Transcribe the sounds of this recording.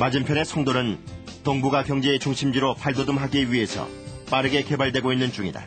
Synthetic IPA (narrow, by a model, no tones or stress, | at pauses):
mad͡ʑimpʰjʌne̞sʰʌŋdoɾɯntoŋbuɡakjʌŋd͡ʑeːt͡ɕuŋɕʰimd͡ʑiɾopʰaɭdodɯmɦaɡiɥiɦe̞sʰʌ̰ | p͈aɾɯɡe̞ke̞baɭdwe̞ɡoinːɯnt͡ɕ͈uŋida̰